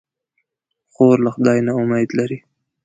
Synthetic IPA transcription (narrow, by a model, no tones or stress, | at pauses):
xoɾlaxʊd̪ɑjnaʊmajd̪laɾi